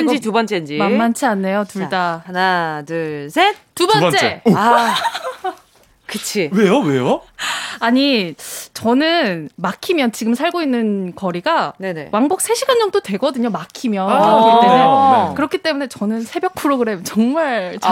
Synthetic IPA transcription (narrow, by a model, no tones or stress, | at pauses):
ɯnd͡ʑitubʌnt͡ɕʰend͡ʑimamant͡ɕʰeanːe̞jotuɭdaanadɯɭsʰentubʌnt͡ɕʰeea | kɯt͡ɕʰiwe̞jowejo | aɲit͡ɕʌnɯnmakʰimjʌnt͡ɕiɡɯmsʰaɭɡoinːɯnkʌɾiɡane̞ne̞̰waŋbok̚s͈ʰe̞ɕʰiɡand͡ʑʌŋdotwe̞ɡʌdɯɲomakʰimjʌ | kɯɾʌkʰit͈e̞mune̞t͡ɕʌnɯnsʰe̞bjʌk̚pʰɯɾoɡɯɾe̞mt͡ɕʌŋmaɭt͡ɕ